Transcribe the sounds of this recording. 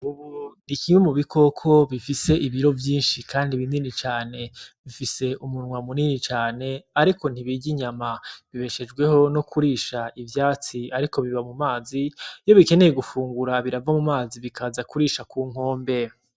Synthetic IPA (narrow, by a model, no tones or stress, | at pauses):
uβunikiŋwemuβikʰo̞kʰo̞βifise̞ʔiβiɾo̞vjiːnʃikʰaːndiβininit͡ʃaːne̞βifise̞ʔumunŋwamuninit͡ʃaːne̞aɾiko̞n̥iβiɟiɲamaβiβe̞ʃe̞d͡ʒɡwe̞ɦo̞no̞kʰuɾiːʃaʔivjaːt͡siaɾiko̞βiβamumaːzijo̞βike̞ne̞je̞ɡufuːŋɡuɾaβiɾavamumaːziβikʰazakuɾiːʃakuːŋ̥ho̞ːmbe̞